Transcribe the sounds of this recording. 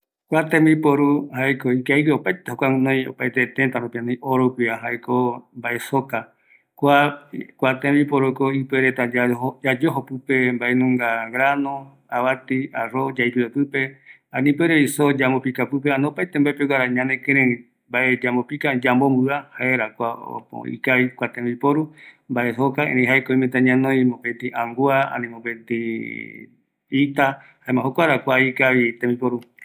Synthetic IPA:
kʷat̪ẽmĩpoɾuhaekoikaiweopajt̪ehokʷaũnõj̃o̰pajt̪et̪et̪aɾũpiãnãj̃oɾokiaɦaekombaʔesoka | kʷakʷat̪ẽmĩpoɾukoipeɾet̪aaod͡ʒad͡ʒoɦopɨpembaenũŋɡaɡɾanõ | aβat̪iaɾod͡ʒaipiopɨpe̞ | ãnĩpeɾoisod͡ʒambopikapɨp̬eanopajt̪embaepeɡaɾaɲãnẽkeɾẽɾĩ | mbaed͡ʒambopikad͡ʒambombɨahaeɾakʷao̰po̰ḭkaβikʷat̪ẽmbipoɾumbaʔesokaḛ̃ɾ̃ẽɦaekoĩmẽt̪ãɲãnõj̃mõpet̪iʔãŋɡuaã̰nĩmõpẽt̪i | it̪ahaemãɦokʷaɾakʷaikaβit̪ẽmbipoɾu

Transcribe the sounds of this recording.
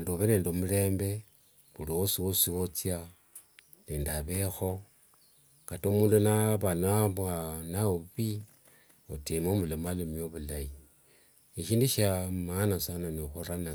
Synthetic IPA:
ndoβeneːndomule̞ːmbe̞ | βulowosiwosiot͡sia | neːndaβexo̞ | katomuːndunaβanaβwanauβi | otimomulemalumioβulaji | eʃiːndiʃamanasananixuɾana

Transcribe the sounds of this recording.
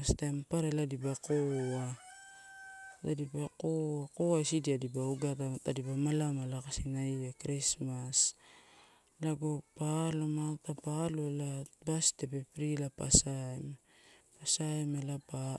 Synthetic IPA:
astampaɾeladibakoa | ta̰dibakoako̞ajsidiadibauɡatatadibamalamalakasinaiakɾismas | laɡo̞palomatapaloelabastepepɾilapa̰saem | pasaemelapa

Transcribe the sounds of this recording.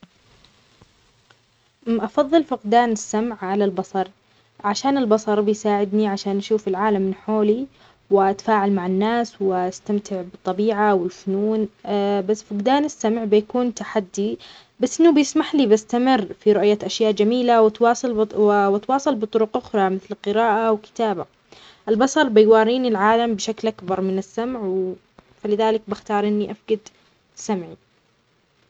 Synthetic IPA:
ʔɑfɑðˤːɨlfʊqd̪aːnɪsːamʕʕalalbɑsˤɑɾˤ | ʕaʃaːnɪlbɑsˤɑɾˤbɪjsaːʕɪd̪niʕaʃaːnʔaʃuːfɪlʕaːlamːɪnħoːli | wɪʔat̪ḁfaːʕalmaʕɪnːaːswɪʔast̪amt̪ʰɪʕbɨt̪ˤːɑbiːʕawɪlfʊnuːnbasːfʊqd̪aːnɪsːamʕbɪjakuːnt̪aħad̪ːi | basːʔɪnːubjɪsmaħlibɪst̪amɪrːfiɾʊʔjaʔaʃjaːʔd͡ʒamiːlawɪt̪wɑːsˤɨlwɪt̪wɑːsˤɑlbɨt̪ˤʊɾʊqʔʊxɾˤɑmɪθlqɨɾaːʔawkɪ̥t̪aːba | ʔɪlbɑsˤɑɾˤbɪjwɑːɾiːnilʕaːlambʃaklʔakbɑɾˤmɪnɪsːamʕ | falɪðaːlɪk̚bɪxt̪ɑːɾˤʔɪnːiʔafɡad̪ | sːamʕi

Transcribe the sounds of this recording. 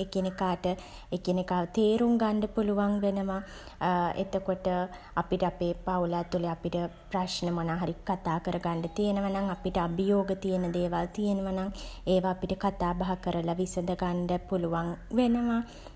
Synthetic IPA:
ekenekaːʈə | ekenekaːʋət̪eːɾuŋɡaɳɖəpuluʋaŋʋenəʋa | ḛt̪əkoʈə | apiʈəapeːpaulat̪ːuleapiʈəpraʂnəmonaːɦaɾikat̪aːkəɾəɡaɳɖət̪ijenəʋanaŋapiʈəabəjoːɡət̪ijenəd̪eːʋalt̪ijenəʋanaŋeːʋaːpiʈəkat̪aːbaɦakəɾəlaʋisəd̪əɡaɳɖəpuluʋaŋʋenəʋa

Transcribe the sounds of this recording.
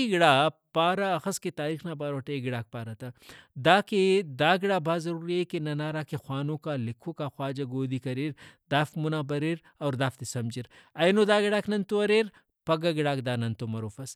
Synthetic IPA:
iɡɪɽaːpaːɾaɐxɐsket̪aːɾiːxnaːbaːɾoʈeɡɪɽaːk̚paːɾɐt̪ad̪aːked̪aːɡɪɽaːbʱaːzɐɾuːɾiekenɐnaːɾaːkexwaːnõːkalɪkʰokaxwaːd͡ʒɐɡoːd̪ikɐɾiɾd̪aːfmunaːbɐɾeɾ | ɐːɾd̪aːft̪esɐmd͡ʒiɾɐjnod̪aːɡɪɽaːknɐnt̪oɐɾeːɾ | pɐɡaɡɪɽaːkd̪aːnɐnt̪omɐɾoːfɐs

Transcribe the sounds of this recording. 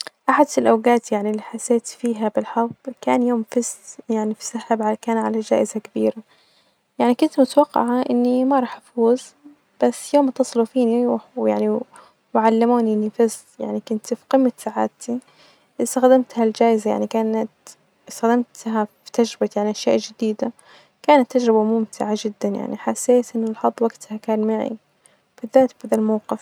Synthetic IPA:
ʔaħad̪ɪlʔawɡaːt̪jaʕnilːiːħasːeːt̪fiːɦabɪlħɑ̥ka̰ːnjoːmfisjaʕnifi̥sahabʕakaːnʕa̰lad͡ʒa̰ːʔɪzakabiːɾa | jaʕnikʊnt̪mʊt̪awɑqːɑ̰ʕaʔɪnːimɑɾˤɑːħʔafuːz | b̥asːjoːmt̪ːɑsˤlufiːniwwjaʕni | wɪʕalːɪmuːnʔɪnːifɪs | ja̰ʕnikʊnt̪fi̥qɨmːasaʕa̰ːt̪i | ʔɪst̪axd̪amt̪hald͡ʒaːʔɪzaja̰ʕnikaːnat̪ | ɪst̪axd̪amt̪ɦafi̥t̪ad͡ʒɾɪbajaʕniʔaʃjaːʔd͡ʒɪd̪iːd̪a | kaːnat̪ːad͡ʒɾɪbamʊmt̪ʰɪʕad͡ʒɪd̪ːanja̰ʕniħasːeːt̪ʔɪnːalħɑd̪ˤːwaɡt̪hakaːnmaʕḭ | b̥ɪðːaːt̪bad̪almawqɪf

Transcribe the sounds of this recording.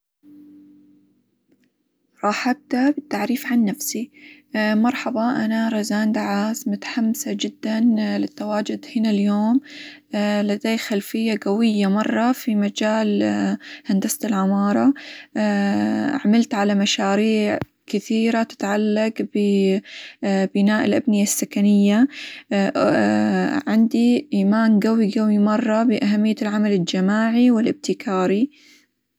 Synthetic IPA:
ɾˤɑːħab̚t̪abɪt̪ːaʕɾiːfʕanːafsi | mɑɾˤħɑbɑʔanaɾˤɑzaːnd̪aʕaːsmʊt̪ḁħamːsad͡ʒɪd̪ːanlɪt̪ːawaːd͡ʒʊd̪hɪnaljoːm | lad̪aːjxalfɪjːaɡawɪjːamɑrˤːɑfimad͡ʒaːl | hand̪ast̪ɪlʕamɑːɾˤɑ | ʕamalt̪ʕalamaʃaːɾiːʕ | kɪθiːɾat̪ɪ̥t̪ʕalːaɡbɪ | bɪnaːʔɪlʔabnɪjasːakanɪjːa | ʕɪnd̪iʔiːmaːnɡawiɡawimɑrˤːɑbɪʔaɦamːɪjːalʕamalɪld͡ʒamaːʕiwɪlʔɪb̚t̪ɪkʰaːɾi

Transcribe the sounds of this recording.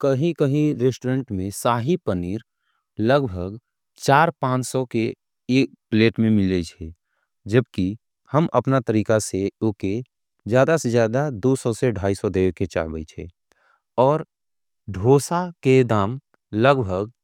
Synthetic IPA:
kəɦĩkəɦĩɾesʈɾə̃ɳʈmẽsaːɦipəniːɾ | ləɡbʱəɡ | t͡ʃaːɾpãːt͡ʃsɔkeː | k̚pleːʈmẽmɪled͡ʒʰɛ | d͡ʒəb̚ki | həmʔɐ̰pnat̪əɾiːkaseoke | zjaːd̪asezjaːd̪ad̪oːsɔseɖʱaːisɔd̪eːket͡ʃa̰ːɾbə̰t͡ʃʰḛː | ɔːɾ | ɖʱoːsaked̪aːm | ləɡbʱəɡ

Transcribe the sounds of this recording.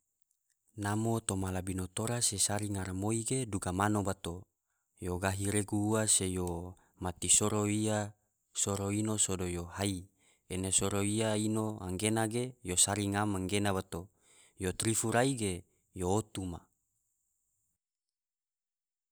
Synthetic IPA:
namot̪omalabinot̪oɾasesaɾiŋaɾamoiɡeduɡamanobat̪o | joɡaɦiɾeɡuuasejo | mat̪isoɾoia | soɾoinosodojohai | enesoɾoiainoaŋɡenaɡejosaɾiŋamaŋɡenabat̪o | jot̪ɾifuɾaiɡe | joːt̪uma̰

